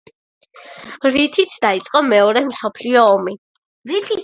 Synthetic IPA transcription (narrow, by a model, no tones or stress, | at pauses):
ɾit̪ʰit̪ʰd̪̥ait̪sʼqʼɔmɛɔɾɛmsɔpʰliɔːmi | ɾit̪ʰ